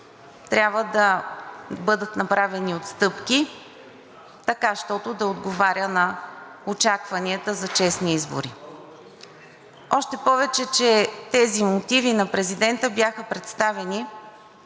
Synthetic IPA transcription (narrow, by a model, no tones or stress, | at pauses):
t̪ɾʲabvəd̪ɐ | bɤd̪ət̪nɐpɾavɛniot̪st̪ɤpki | t̪ɐkaʃt̪ɔt̪ʊd̪ɐod̪ɡovaɾʲənɐ | ot͡ʃakvɐniət̪əzɐt͡ʃɛsniizbo̰ɾḭ | ɔʃt̪ɛpɔvɛt͡ʃɛt͡ʃɛt̪ɛzimot̪ivinɐpɾɛzid̪ɛnt̪əbjaxəpɾɛt̪st̪avɛni